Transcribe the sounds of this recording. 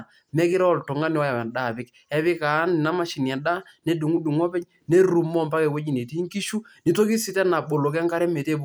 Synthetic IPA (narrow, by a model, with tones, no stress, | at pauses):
mɛ˦kɪ˦ɾɔ˦˨ltɔ˨ŋa˦ni˦ɔ˦ja˨wa˨da˦˨pɪ˦k | ɛ˦βɪ˦ka˨˦nɪ˨na˦ma˦ʃi˨ni˨a˨ɗa˦ | nɛ˦du˨ŋu˦du˨ŋɔ˦pɛ˦ɲ | ne˦ɾu˨mɔ˦˨mpa˦kɛ˨wo˦d͡ʒi˨ne˨ti˦ŋki˦ʃu˦ni˨to˦ki˦sɪ˦tɛ˦na˨ɓo˨lo˨k̬ɛ˦ŋka˦ɾɛ˦me˨te˦b